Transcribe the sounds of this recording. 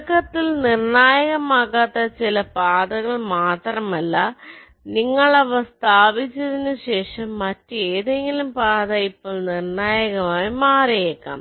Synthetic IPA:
kːɐt̪ːilnirɳaːjɐɣɐmaːkːaːt̪ːɐt͡ɕilɐpaːd̪ɐɣɐɭmaːt̪rɐmɐlːɐ | niŋːɐɭɐʋɐst̪ʰaːbit͡ɕːɐðinɨɕe̞ːʂɐmːɐtːueːðe̞ŋɡilumpaːðɐipːoːɭnirɳaːjɐɣɐmaːjimaːɾɐjekːa̰ːm

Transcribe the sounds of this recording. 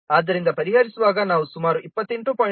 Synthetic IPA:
aːd̪ːɐɾind̪ɐpɐɾiɦaɾisuʋaːɡɐnaːʋusumaːɾuʔipːɐt̪ːeɳʈupoː

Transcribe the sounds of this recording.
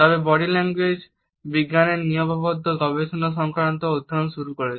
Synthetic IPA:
t̪ɔbebɔɽilɛŋɡwed͡ʒ | biɡːanenijɔbɔbɔd̪ʱːɔɡɔbeʃɔnɔs̬ɔŋkɾant̪ɔud̪ʱːɾɔnsuɾukɔɾe

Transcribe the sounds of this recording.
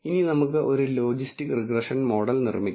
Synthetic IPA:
ininɐmukːɨʔo̞ɾulo̞ːd͡ʑistikːriɡrɐʂɐnmo̞ːɽɐlnirmikʲː

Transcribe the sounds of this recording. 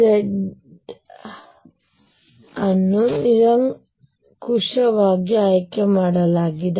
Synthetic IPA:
eɖ | ɐnːuniɾɐŋ | kuʂɐʋaːɡjɐaːjkːɐmaːɽɐlaːɡid̪ɐ

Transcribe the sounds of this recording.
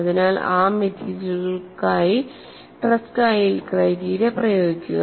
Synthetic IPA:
ɐðinaːla̰ːmet̪ʰiːd͡ʑɐlɣɐɭkaːji | ʈrɐskaːjilkrɐjɾiːɾɐprɐjo̞ːɡikʲːuɣɐ

